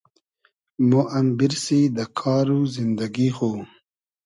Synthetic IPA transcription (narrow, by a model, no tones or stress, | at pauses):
moʔɐmbiɾsid̪əkʰɑːɾuzind̪aɡixo